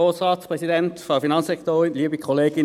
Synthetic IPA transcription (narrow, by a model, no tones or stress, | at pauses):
oːsʁɑːtspʁ̥ɛsidɛntfɔfinɑnsɛktoːɪnliːbikʰɔleːɡɪ